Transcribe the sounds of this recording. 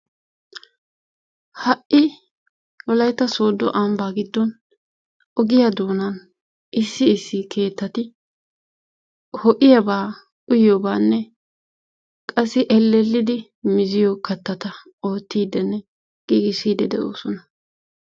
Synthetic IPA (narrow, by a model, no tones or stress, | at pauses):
hɐʔɪ | wɔlɐjt̪ːɐsoːd̪ːɔ̰ʔambaːɡɪd̪ːɔn | ɔɡɪjɐd̪oːnɐn | ʔɪsːɪːsːɪkʰe̞ːt̪ːɐt̪ɪ | hɔʔɪjɐbaː | ʔʊjobaːnːɛ | kʼɐsːɪʔɛlːɛlːɪd̪ɪ | mɪzɪjɔkɐt̪ːɐt̪ɐ | oːt̪ːiːd̪ɛnːɛ | ɡ̥iːɡɪsiːd̪ɛd̪ɛʔo̰ːsɔnɐ